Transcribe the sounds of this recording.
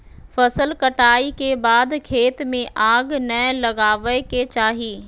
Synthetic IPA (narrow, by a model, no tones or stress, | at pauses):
fɐsəlkɐʈaːikebaːd̪kʰeːt̪mẽʔaːɡnɐlɐɡaːʋəket͡ɕaːɦiː